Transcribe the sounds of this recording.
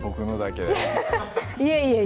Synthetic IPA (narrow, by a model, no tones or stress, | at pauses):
bokɯnod̪aked | ieie